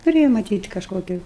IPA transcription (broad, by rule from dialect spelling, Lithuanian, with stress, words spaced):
tʊˈrʲeːjɛ mɐˈtʲiːt kɐʃˈkoːkʲʊ